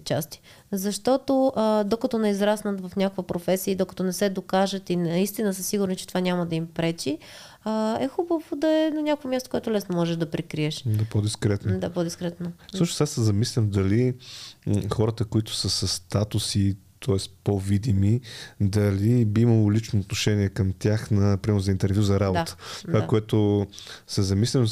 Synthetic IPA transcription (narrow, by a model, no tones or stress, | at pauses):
t͡ʃast̪i̥ | zɐʃt̪ɔt̪oʔd̪okɐt̪ɔnɛizɾasnət̪vɐfnʲakəkvɐpɾofɛsiəid̪okɐ̥t̪ɔnɛsɛd̪okaʒət̪inɐist̪inəsəsiɡʊɾnit͡ʃɛt̪ovanʲamɐd̪ɐimpɾɛt͡ʃi | əɛxubəvod̪ɐɛnɐnʲakovomjast̪o̥kʊwɛt̪ʊlɛsnomɔʒɛʒd̪ɐpɾikɾiɛʃd̪apod̪iskɾɛt̪nod̪apod̪iskɾɛt̪nofsuʃnosasɛzɐmislʲəmd̪ɐli | xɔɾət̪əkoit̪ʊ̥səsəst̪at̪ʊsit̪ʰɔɛst̪povid̪imid̪ɐlibiiməlˠolit͡ʃnoːt̪noʃɛniɛkəmt̪ʲjaxnɐpɾimɛɾnʊzɐint̪ɛɾvʲjuzɐɾaboat̪ə̥t̪vakoɛt̪ʊsɛzɐmislʲəm